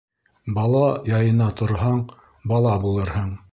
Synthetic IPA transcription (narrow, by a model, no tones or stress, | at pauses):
bɑlˠɑjɑjɤ̆nɑt̪ŏɾɦɑɴ | bɑlˠɑbulˠɤɾhɤɴ